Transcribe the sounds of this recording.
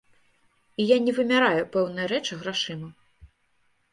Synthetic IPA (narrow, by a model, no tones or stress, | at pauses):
ijanʲɛvɨmʲaɾajupɛwnɨjɐɾɛt͡ʂɨɣɾaʂɨmɐ